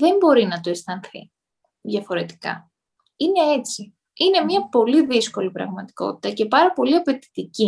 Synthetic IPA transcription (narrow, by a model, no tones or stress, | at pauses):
ðe̞mbo̞ɾinɐt̪o̞e̞st̪ɐnθḭ | ðjɐfo̞ɾe̞t̪i̥kɐ̰ | ine̞e̞t͡si | ine̞mɲɐpo̞liðisko̞lipɾɐ̰ɣmɐt̪i̥ko̞̰t̪i̥t̪ɐce̞pɐɾɐpo̞liɐpe̞t̪i̥t̪ici